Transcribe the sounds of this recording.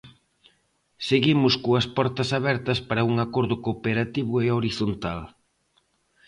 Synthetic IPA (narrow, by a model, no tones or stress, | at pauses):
seɣimʊskoɐspɔɾt̪ɐsaβɛɾt̪ɐspaɾɐuŋakɔɾðʊkopeɾat̪iβʊeoɾiθont̪al